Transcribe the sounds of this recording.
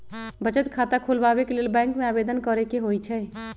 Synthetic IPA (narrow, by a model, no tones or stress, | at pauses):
bət͡ʃət̪kʰat̪akʰulbabekelelbɛ̃ŋkmeabed̪ənkəɾɛkeɦojt͡ʃʰɛ